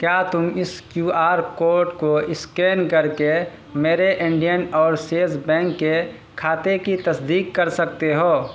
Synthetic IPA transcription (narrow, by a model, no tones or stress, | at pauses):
kjaːt̪ʊmɪskjuːaːɾkoːɾʈkoɪskeːnkɐɾke | meːɾeʔɪ̃ɳɖijənɔːɾseːzbɛ̃ːŋkːe | kʰaːt̪ekit̪ɐsd̪iːkːɐɾsək̚t̪eɦoː